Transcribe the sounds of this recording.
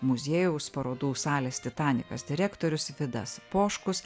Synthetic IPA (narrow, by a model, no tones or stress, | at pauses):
mʊzʲeːjɛʊspɐɾoːd̪uːsɑːlʲeːst̪ʲɪt̪ɑːnʲɪkɐsd̪ʲɪɾʲɛːkt̪oːɾʲʊsʋʲɪd̪ɐ̰spoːʃkʊs